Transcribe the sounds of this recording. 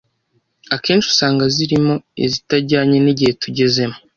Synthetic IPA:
akeːnʃu̥saːŋɡaziɾimo̞ḛzitaɾɟaːɲeniɟihe̞tuɟe̞ze̞mo

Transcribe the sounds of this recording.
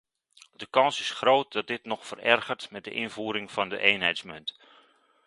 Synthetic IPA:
dəkɑnsɪsxroːt̚dɑt̚dɪtnɔxfərɛrɣərtmɛt̚də̰ʔɪnvuːɾɪŋfɑndə̰ʔeːnɦɛjtsmənt

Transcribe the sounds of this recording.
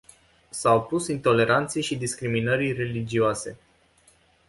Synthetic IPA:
sawpusint̪o̞le̞ɾant̪sejʃid̪iskɾiminəɾire̞lid͡ʒioase̞̰

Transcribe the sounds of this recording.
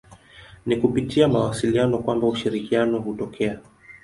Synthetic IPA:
nikupitiamawasilianɔkwambauʃiɾikianɔɦutɔkʰɛa

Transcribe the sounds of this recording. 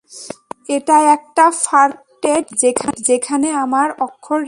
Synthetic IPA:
eʈaɛk̚ʈafaɾ | ʈeʈd͡ʑekʰad͡ʑekʰaneamaɾɔkʰːoɾ

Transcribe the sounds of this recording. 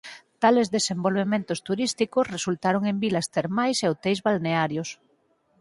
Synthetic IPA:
t̪alezðesembolβemẽnt̪ost̪uɾist̪ikosresult̪aɾoŋembilast̪eɾmajseot̪ejzβalneaɾjos

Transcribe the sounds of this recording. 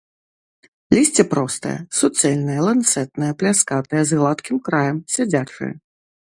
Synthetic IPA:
lʲisʲt͡sʲɛpɾɔst̪ɐ̰jɛ̰sut̪sɛlʲnɐjɐlˠant̪sɛt̪̚nɐjɐplʲaskat̪ɐjɐzɣlˠat̪kʲimkɾajɐmsʲad͡zʲat͡ʂɨ̰jɐ̰

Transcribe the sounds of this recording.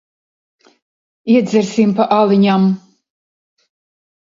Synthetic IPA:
iɛd̪zʲɛɾsimpaʔalˠiɲʲam

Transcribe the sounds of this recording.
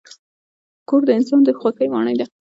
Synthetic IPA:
koɾd̪əɪnsɑnd̪əxwakəjmɑ̰ɳəjd̪a

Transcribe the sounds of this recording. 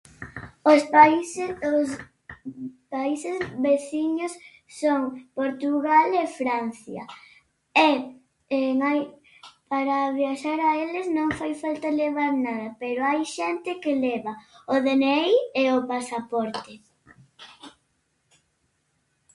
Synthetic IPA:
os | os | paisezβeθiɲosː | oŋpoɾt̪uɣalefɾan̟θjɐ̰ | e | ɛmaj | paɾaβjaʃaɾaelɪznõŋfajfalt̪aleβ̞aɾnaðɐpeɾoajʃɛnt̪ɪkelɛβaoðenejeopasapɔɾt̪e

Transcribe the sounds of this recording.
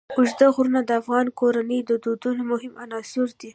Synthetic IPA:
ʊʒd̪aɣɾunad̪əafɣɑnkoɾanəjd̪əd̪od̪unamʊɦɪmanɑsʊɾd̪i

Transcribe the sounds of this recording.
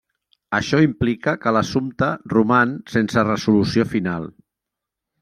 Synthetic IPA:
əʃɔimplikəkələsumt̪ərumansensərəzulusiofinalˠ

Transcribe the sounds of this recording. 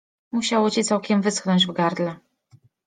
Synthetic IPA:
muɕawɔt͡ɕit̪sawkʲɛmvɘsknɔɲd͡ʑvɡaɾd̪lɛ

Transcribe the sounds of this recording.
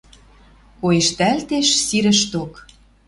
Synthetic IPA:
kojeʃt̪ælt̪eʃsiɾə̆ʃt̪ok

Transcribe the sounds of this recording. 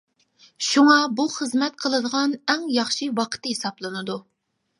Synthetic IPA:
ʃuŋɑbuχəzmɛt̪̚qʰəlˠɨd̪əʁɑnɛŋjɑχʃiwɑqʰə̥t̪ɪhesɑplˠɨnɨd̪u

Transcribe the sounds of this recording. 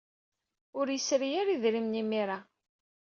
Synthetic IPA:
ʊɾjəsɾijaɾiðɾimnimiɾa

